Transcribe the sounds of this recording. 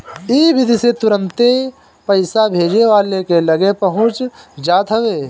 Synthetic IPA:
ibɪd̪ʱiset̪ʊɾə̃nt̪e | pɐɪsabʱeːd͡ʒneʋaːlekelɐɡepəɦʊ̃t͡ʃd͡ʒaːt̪ɦɐʋeː

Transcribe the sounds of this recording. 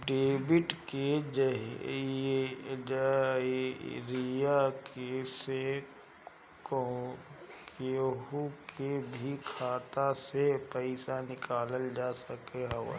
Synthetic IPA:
ɖeːbɪʈked͡ʒɦ | ɾijakese | ko | keɦukebʱikʰaːt̪asepɛɪsanɪkaːləld͡ʒaːsəkeɦɐwa̰

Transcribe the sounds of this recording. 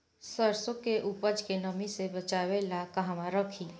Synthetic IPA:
səɾsʊkeʔupəd͡ʒkenəmisebɐt͡ʃaːʋelakɐɦmãɾəkʰiː

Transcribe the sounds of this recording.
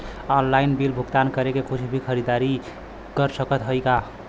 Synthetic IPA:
ɔnlainbilbʱuɡt̪ankəɾekekʰut͡ʃʰbʱikʰəɾid̪aɾi | kəɾsəkət̪ɦəjka

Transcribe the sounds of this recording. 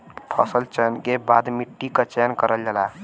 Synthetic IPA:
pʰɔsəlt͡ʃɛnkebad̪miʈːikət͡ʃɛnkəɾəld͡ʒela

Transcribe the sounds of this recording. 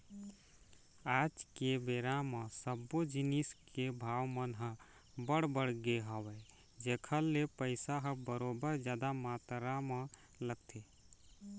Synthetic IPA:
ad͡ʒkebeɾamə̃səbːod͡ʒiniskebʱawmənɦə̃ | bəɽbəɽɡeɦəwɛ | d͡ʒekʰəlːepəɪsaɦəbəɾobəɾd͡ʒjad̪amat̪ɾame | ləɡ̚t̪ʰe

